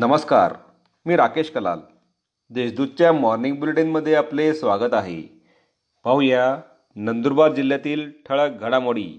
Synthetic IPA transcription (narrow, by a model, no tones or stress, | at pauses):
nəməska̰ɾ | miːɾakeɕkəla̰l | d̪eɕd̪ud̪̚t͡ɕjamɔɾniŋɡbileʈinməd̪ʱːjeaplesʋaɡət̪aɦḛ | paɦuja | nənd̪uɾbaɾd͡ʑil̤ːjat̪iːlʈʰəɭək̚ɡʱəɽ̃amoɽiː